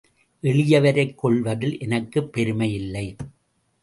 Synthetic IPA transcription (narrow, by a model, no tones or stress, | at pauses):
ʔɛɭɪjɐʋɐɾɐɪkːɔɭʋɐðɪlʔɛnɐkːɯpːɛɾɯmɐjɪlːɐɪ